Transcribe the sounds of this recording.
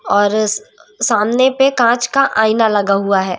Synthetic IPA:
ɔːɾsaːmnepekãːt͡ʃkaʔaːɪnalɐɡaɦʊaɦɛː

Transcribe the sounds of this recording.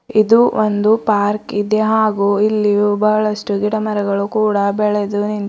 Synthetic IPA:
id̪uond̪upaːɾkid̪eɦaːɡuːilːiubɐɦɐɭɐsʈuɡiʈɐmɐɾɐɡɐɭukuːɽɐbɛɭed̪unin

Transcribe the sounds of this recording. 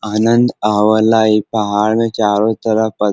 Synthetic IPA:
aːnənd̪aʋəlaipɐɦaɭmẽkaɾot̪əɾəpə

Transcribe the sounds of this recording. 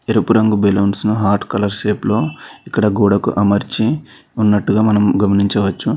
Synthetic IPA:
eɾɐpuɾɐŋɡubeloːnsnuɦaːɾʈkɐlɐɾʃeːplo̞ːikːɐɽɐɡuːɽɐkṵʔɐmɐɾt͡ʃi | unːɐʈːuɡaːmɐnɐmɡɐmɐniɲt͡ʃɐʋɐt͡ʃːu

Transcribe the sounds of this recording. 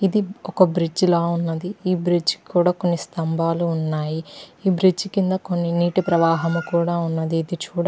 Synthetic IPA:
id̪iɔkɐbɾid͡ʒlaːunːɐd̪iiːbɾid͡ʒkuːɽaːko̞nːist̪ɐmbʱaːluːnːaːjiiːbɾid͡ʒkind̪ɐko̞nːiniːʈipɾɐʋaːɦɐmukuːɽaːunːɐd̪iːd̪it͡ʃuːɽ

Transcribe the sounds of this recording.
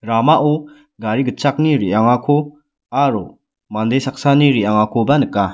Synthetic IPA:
ɾamaʔɔ | ɡaɾiɡət͡ʃʰak̚niɾijaŋakʰo | aɾo | mand̪esak̚saniɾiaŋakʰɔbanɯka

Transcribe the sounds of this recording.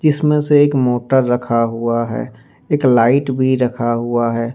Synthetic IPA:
d͡ʒɪsmẽseeːkmoːʈəɾːɐkʰaɦuaɦɛ̰ː | eːklaːɪʈbʱiɾɐkʰaɦuaɦɛː

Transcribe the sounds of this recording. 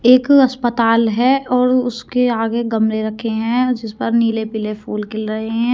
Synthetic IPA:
eːkɐspət̪aːlɦɛɔːɾʊskeaːɡeɡɐmɾeɾɐkʰːeɦɛ̃d͡ʒɪspəɾniːlepɪlepʰuːlkɪlɾɐɦeɦɦɛ̃ː

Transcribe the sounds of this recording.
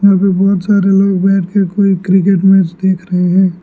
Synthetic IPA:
jɦãːpebɔːt̪saːɾeloːɡbɛːʈʰkekoːikɾɪk̬eʈmẽd͡ʒd̪eːkʰɾɐɦeɦɛ̃ː

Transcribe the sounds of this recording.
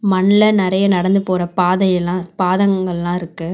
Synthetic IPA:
mɐɳlɐnɪɾɐjɐnɐɽɐnd̪ɯpoːɾɐpaːðɐjɐlãːpaːðɐŋɡɐɭɛlːãːɪɾɯkːɯ

